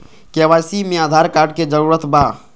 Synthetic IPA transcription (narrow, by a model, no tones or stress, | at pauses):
keʋaːsimẽaːd̪ʱaːɾkaːɖ̚ked͡ʒəɾuːɾət̪baː